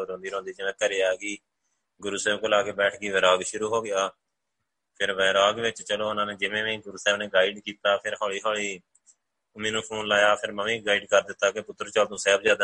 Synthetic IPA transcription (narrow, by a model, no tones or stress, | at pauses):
ɾõnd̪iːɾõːnd̪iːd͡ʒɪʋẽːkəɾeːaːɡiː | ɡʊɾuːsɛːbkoːlaːkeːbɛːʈʰɡiːʋɛːɾaːɡʃʊɾuːɦoːɡɪjaː | pʰɪɾʋɛːɾaːɡʋɪt͡ʃt͡ʃəloːʊnãːneːd͡ʒɪʋẽːʋẽiːɡʊɾuːsɛːbneːɡaːɪɖkiːt̪aːpʰɪɾɦɔːɭiːɦɔːɭiː | ʊmĩːnũːpʰoːnlaːjaːpʰɪɾməmĩːɡaːiːɖkəɾd̪ɪt̪ːaːkepʊt̪ːəɾt͡ʃəlt̪õːsɛːbzjaːd̪a